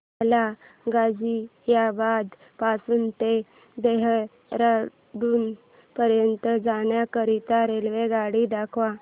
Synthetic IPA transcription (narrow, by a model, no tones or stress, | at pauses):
la | ɡad͡ʑiɦjabad̪ | pasuːnt̪e | d̪eɦ | ɾa | ɖuːn | pəɾjənt̪əd͡zaɳjakəɾit̪aɾelʋeɡaɽid̪akʰʋa